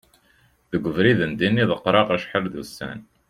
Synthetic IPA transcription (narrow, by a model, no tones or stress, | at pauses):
ðəɡʷəvɾiðənd̪inːiðəqːɾˤɑqæʃħəɾðusːæ̰n